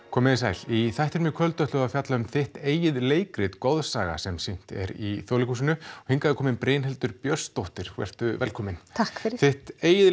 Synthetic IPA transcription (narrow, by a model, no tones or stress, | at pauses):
kʰɔːmɪðɪsaːjliθajht̪ɛɾmjʏkʰvœlt̪œht̪lʏaðfjat̪laʏmθɪht̪eːjɪðleːjkɾɪt̪kowðsaːɣa̰sɛmsin̥t̪ɛ̰ɾḭθjɔlɪkʰusɪnʏhiŋkaðɪkʰɔːmɪnpɾeːnɦɛlt̪ʏɾpjœ̥st̪owht̪ɪɾ̥kʰv̥ɛ̰r̥t̪ʏvɛlkʰɔːmɪnt̪ʰakfɪɾθɪht̪eːjɪð